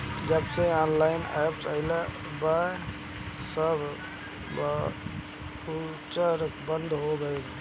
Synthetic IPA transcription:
d͡ʒəbseaːnlaɪnɛ̰psaɪle | ba | səb | u | t͡ʃəɾkbənd̪ʱɦoɡəjk̪

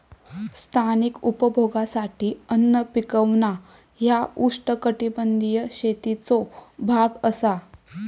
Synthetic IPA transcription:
st̪ʰanikupəbʱoɡasaʈʰiːənːəpikəʋna | jauʂʈəkəʈibənd̪ijəɕet̪it͡sobʱaɡəsa

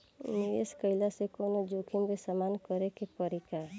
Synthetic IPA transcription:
niʋeskəɪlasekonod͡ʒokʰimbesamankəɾekepəɾika

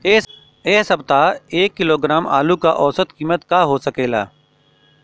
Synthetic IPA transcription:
eːɦsəbt̪aeːkːɪloːɡɾaːma̰ːlukaʔɔːsət̪kiːmət̪kaːɦoːsəkeːla̰ː

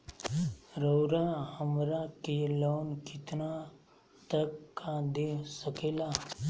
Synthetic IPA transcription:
ɾəwɾahəmɾakeloːnkɪt̪na | t̪əkːad̪esəkeːla

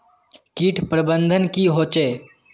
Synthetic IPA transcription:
kiːʈʰpɾəbə̃nd̪ʱənkiɦoːt͡ʃeː

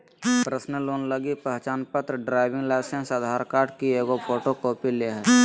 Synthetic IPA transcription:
pɾəsnəloːnləɡipəɦt͡ʃaːnpət̪ɾəɖɾaːɪʋɪ̃ŋɡlaɪsẽnsad̪ʱaːɾkaːɾʈ̚kieːɡopʰoːʈokoːpileɦəɾ

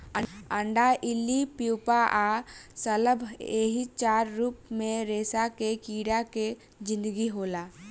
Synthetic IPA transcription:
əəɳɖaʔilipiwpaʔasələbʱeɦit͡ʃaɾːup̚mẽɾesakekiːɽake | d͡ʒĩnd̪əɡiɦola

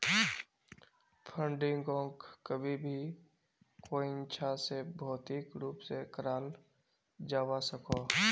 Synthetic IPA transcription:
pʰə̃ɳɖɪ̃ŋɡõːkkəbʱibʱi | koːint͡ʃʰasebʱɔːt̪ikɾuːpsekəɾaːl | d͡ʒaːwasəko

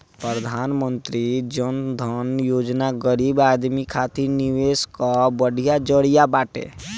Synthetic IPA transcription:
pɾəɾəd̪ʱaːnmə̃nt̪ɾid͡ʒənd̪ʱənjoːd͡ʒnaɡəɾiːbaːd̪mikʰaːt̪iɾniʋeːskabəɽ̤ʱijad͡ʒəɽijabaːʈḛ̃

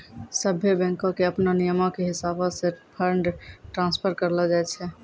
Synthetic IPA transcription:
səbʱːjebɛ̃ŋkõkeəpnanijəmɔ̃keɦɪsabɔsepʰəɾɳɖʈɾãnspʰəɾkəɾlɔd͡ʒaɛt͡ʃʰɛ

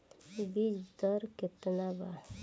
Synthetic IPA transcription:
bid͡ʒd̪ɔɾkɪt̪naba

